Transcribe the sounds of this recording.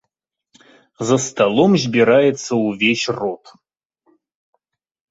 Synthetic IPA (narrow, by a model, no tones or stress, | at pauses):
zɐst̪alˠomzʲbʲiɾajɛt̪səuvʲeɕrot̪